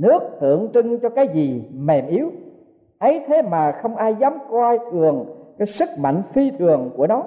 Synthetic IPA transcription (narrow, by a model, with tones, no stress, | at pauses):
nɨ˦˥ək̚t̪ɨ̰˧˩˨əŋt͡ɕɨ˧ŋt͡ɕɔ˧kaː˨˦jzi˨˩mɛ˨˩mʔi˨˦əw | ʔə˨˦jt̪ʰe˨˦maː˨˩xə˧wŋ͡mʔaː˧jzaː˨˦mkwa˧jt̪ʰɨ˨˩əŋkaː˨˦jsɨ˦˥k̚ma̰˧˨jŋ̟fi˧t̪ʰɨ˨˩əŋku˧˩ənɔ˨˦